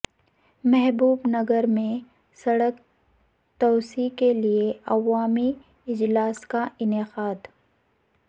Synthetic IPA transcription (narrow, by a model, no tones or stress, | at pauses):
mɛɦbuːbnɐɡəɾmẽ | sɐɽək | t̪oːsikelieɐwaːmi | ɪd͡ʒlaːskaʔɪnɪqaːd̪